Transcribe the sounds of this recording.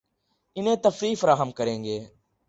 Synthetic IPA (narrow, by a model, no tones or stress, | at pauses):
ɪnẽːt̪əfɾiːfəɾaːɦəmkəɾẽːŋɡeː